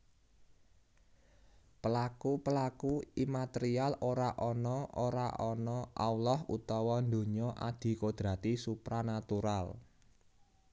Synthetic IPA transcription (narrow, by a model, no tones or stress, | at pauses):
pəlakupəlakuimat̪eɾialoɾaʔɔnɔʔoɾaʔɔnɔʔa̰wlɔhṵt̪ɔwɔnd̪o̤ɲɔʔa̰d̪̥i̤kod̪̥ɾa̤t̪isupɾanat̪uɾal